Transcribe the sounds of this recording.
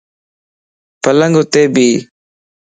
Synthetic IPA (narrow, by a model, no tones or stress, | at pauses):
pələŋɡot̪eːbiː